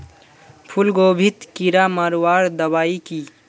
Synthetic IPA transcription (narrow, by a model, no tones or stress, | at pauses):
pʰʊlɡoːbʱit̪kiɾamaɾwaːɾd̪ɐwaːiki